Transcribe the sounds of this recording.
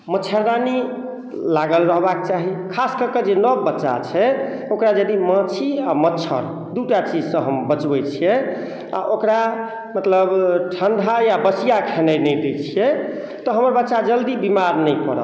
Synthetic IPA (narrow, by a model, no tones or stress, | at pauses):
mət͡ʃʰəɾani | laɡəlɾəɦbak̚t͡ʃaɦikʰaskəɾked͡ʒenəbːətːʃa̰t͡ʃʰɛ | okɾad͡ʒəd̪imə̃t͡ʃʰiamətːt͡ʃʰə̰ɾ | d̪uʈat͡ʃid͡ʒsə̃ɦəmbət͡ʃbɛt͡ʃʰijɛ | a̰ʔokɾa | mət̪ləbʈʰənɖ̪ʱajabəsijakʰenəjnɛjd̪et͡ʃʰijɛ | t̪ɔɦəməɾbətːʃad͡ʒəld̪ibimaɾnəjkəɾə̰l